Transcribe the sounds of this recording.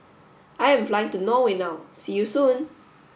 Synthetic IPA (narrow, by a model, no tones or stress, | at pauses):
ʔaɪɛ̃ɱflajɪ̃ŋtunowenaʊsijusũn